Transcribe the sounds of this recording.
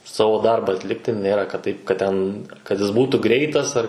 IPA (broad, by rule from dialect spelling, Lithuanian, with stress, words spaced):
ˈsɑːʋoː ˈdɐrbɐ ɐtʲˈlʲɪktʲɪ ˈnʲeːrɐ kɐt ˈtɐɪp kɐt ˈtʲɛn kɐt ˈjɪs ˈbuːtuː ˈɡrʲɛɪtɐs ɐr